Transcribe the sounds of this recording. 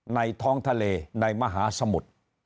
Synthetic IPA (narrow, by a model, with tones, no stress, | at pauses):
na˧jt̪ʰɔː˦˥ŋt̪ʰa˧leː˧na˧jma˧ɦaː˩˦˥sa˧mu˨˩t̪̚